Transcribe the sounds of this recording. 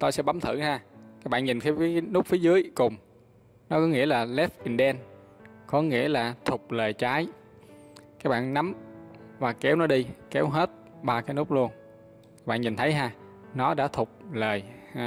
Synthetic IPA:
t̪o˧jsɛ̰˧˥ɓa˨˦mt̪ʰɨ̰˧˩ɦaː˧kaː˦˥k̚ɓa̰ː˧˨ɲi˨˩nkaː˨˦fi˨˦nʊ˦˥k͡p̚fi˨˦zɨ˨˦əjkʊ˨˩ŋ͡m | nɔ˨˦kɔ˨˦ŋḭ˧˥əlaː˨˩lɛ˦˥f̚ʔi˨˩nɗɛ˧n | kɔ˨˦ŋḭ˧˥əlaː˨˩t̪ʰʊ˨˩k͡p̚ləː˨˩jt͡ɕaː˨˦j | kaː˦˥k̚ɓa̰ː˧˨nːna˨˦mvaː˨˩kɛ˨˦wnɔ˨˦ɗi˧kɛ˨˦wɦe˦˥t̚ | ɓaː˧kaː˨˦jnʊ˦˥k͡p̚lu˧ən | a˦˥kɓa̰ː˧˨nɲi˨˩nt̪ʰə˨˦jɦaː˧nɔ˨˦ɗa̰ː˧˥t̪ʰʊ˨˩k͡p̚ləː˨˩j

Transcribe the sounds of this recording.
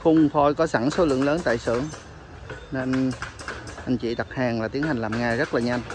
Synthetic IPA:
xʊ˧wŋ͡mt̪ʰo˧jkɔ˨˦sa˧˩ŋso˨˦lɨ̰˧˨əŋləː˨˦nt̪a̰ː˧˨jsɨ̰˧˩əŋ | ne˧n | ʔa˧j̟t͡ɕḭ˧˨ɗa˨˩t̚haː˨˩ŋlaː˨˩t̪i˨˦ənha˨˩ŋ̟laː˨˩mŋaː˧˩zə˦˥t̚laː˨˩ɲa˧jŋ

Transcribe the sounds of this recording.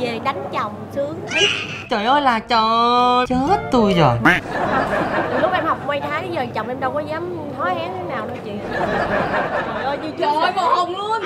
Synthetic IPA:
e˨˩ɗa˨˦jŋ̟t͡ɕɔ˨˩wŋ͡msɨ˨˦əŋ̚˦ | t͡ɕo˨˩jʔə˧jlaː˨˩t͡ɕɔ˧˩t͡ɕɨ˨˦zə˦˥t̚t̪u˧jzo˨˩j | lʊ˦˥k͡p̚ʔɛ˧mha˨˩wk͡p̚ŋwa˧jt̪ʰaː˨˦zəː˨˩jt͡ɕwŋ͡mʔɛ˧mɗə˧wkɔ˨˦zaː˨˦m | h̪ʰɔ˨˦jʔɛ˨˦t̪ʰe˨˦naː˨˩wnɔ˨˦t͡ɕḭ˧˨˧ | t͡ɕo˨˩jʔəː˧jɲɨ˧t͡ɕɨ˧˦aː˨˦jo˧˩ho˧˩mlɨ˧˦

